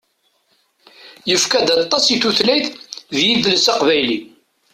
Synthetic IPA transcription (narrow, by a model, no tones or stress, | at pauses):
jəfkæd̪ɑt̪ˤːɑsiθuθlæjθðjiðləsɑqvæjli